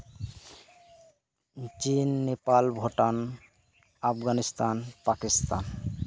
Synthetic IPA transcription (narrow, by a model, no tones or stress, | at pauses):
t͡ɕinːepalbʱoʈan | apɡanist̪anpakist̪a̰n